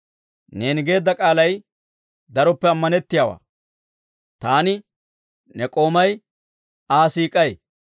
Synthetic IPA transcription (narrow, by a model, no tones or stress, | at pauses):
ne̞ːnɪɡe̞ːd̪ːɐkʼaːlɐj | d̪ɐɾɔpːɛɐmːɐnɛt̪ːɪjawa̰ː | t̪aːnɪ | nɛkʼo̞ːmɐj | aːsiːkʼːɐj